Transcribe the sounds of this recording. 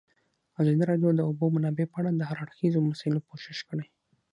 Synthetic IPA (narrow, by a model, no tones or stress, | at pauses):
azɑd̪iɾɑɖjod̪əʊbomanɑbepəaɽad̪əhaɾaɽxizomasɑɪlokoʃɪʃkəɽaj